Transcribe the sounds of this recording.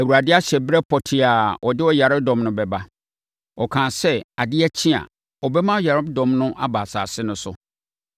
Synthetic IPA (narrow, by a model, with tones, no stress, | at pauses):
æ˨wu˨ɾa˨dɪ˦a˦ɕɛ˨bɾɛ˦pʰɔ˨tʰɪ˨a˨ʔɔ˨dɪ˦ɔ˦ja˨ɾɪ˦b̚dɔ̃˨mnʊ̃˦bɛ˨ba˦ | ɔ˨kʰã˨sɛ˦a˨dɪ˦ɛ˦t͡ɕʰĩ˦a̰˨ | ɔ˨bɛ˦mã˦ja˨ɾɪ˦bdɔ̃˨mnʊ̃˦ʔa˦baː˨sa̰ː˨sɪ˦nʊ̃˦sʊ̰˨